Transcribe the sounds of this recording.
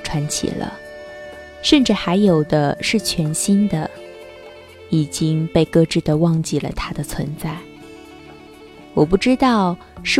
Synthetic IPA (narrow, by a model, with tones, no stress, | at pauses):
ʈ͡ʂʰwa˧˥nt͡ɕʰḭ˨˩lə̰˦ | ʂə˥˧nʈ͡ʂɻ̩˥˩xa˧˥ɪjo˨˩ʊd̪ə˦ʂɻ̩˥˩t͡ɕʰɥɛ˧˥nɕi˥nd̪ə˨ | i˨˩t͡ɕi˥ŋpe˥˧ɪkɤ˥˧ʈ͡ʂɻ̩˥˩d̪ə˩wɑ˥˧ŋt͡ɕi˥˩lə̰˩t̪ʰa˥d̪ə˨t͡sʰwə˧˥nt͡sa˥˩ɪ | wɔ˨˩pu˥˩ʈ͡ʂɻ̩˥t̪ɑ˥˩ʊ | ʂɻ̩˥˩